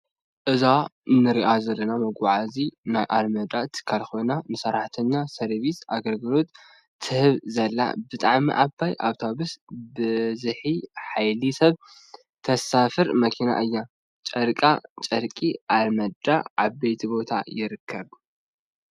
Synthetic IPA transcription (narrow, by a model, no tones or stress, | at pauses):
ʔɨzanɨɾiʔazɐlːɐnamɐɡʷaʕazinajʔalmɐd̪at̪ʰɨ̥kʰːalxo̞jnanɨsɐɾaħt̪ʰɨnːasɐɾβisʔaɡɐlɡɨlo̞t̪ːʰ | ɨhɨβzɐlːa̰bɨt̪ʼaʕmḭʔabajʔa̰βt̪ʰaβɨsbɨzɨħiħajlisɐβ | t̪ʰɐsafɨɾmɐkʰina̰ʔɨjːa | t͡ʃʼɐɾkʼa̰t͡ʃʼɐɾkʼiʔalmɐd̪a̰ʕaβːejt̪ʰibo̞t̪ʰa̰jɪɾɨkʰːɐβ